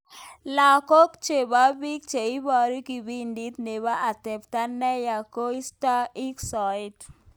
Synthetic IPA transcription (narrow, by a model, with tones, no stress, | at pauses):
la˨ko˦kt͡ʃe˨ba˦bi˦k̚t͡ʃe˨i˦ba˨ɾi˦ki˨bi˦ndi˦t̪ne˨βa˦a˨t̪ɛ˨pta˦nːɛ˦ja˨ko˦i˦sta˦i˦ksɔ˨id